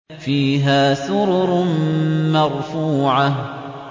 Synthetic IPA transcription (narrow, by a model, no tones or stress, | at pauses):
fiːɦaːsʊɾʊɾ | mɑɾˤfuːʕa